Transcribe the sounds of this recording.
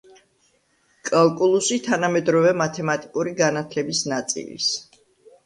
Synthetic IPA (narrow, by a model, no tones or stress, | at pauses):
kʼalˠkʼulˠusit̪ʰanamɛd̪ɾɔvɛmat̪ʰɛmat̪ʼikʼuɾiɡanat̪ʰlɛbisnat̪sʼḭlḭs